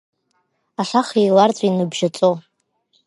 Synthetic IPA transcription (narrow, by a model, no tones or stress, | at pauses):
aʃʷaχijlart͡sʷʼainɨbʒat͡sʼo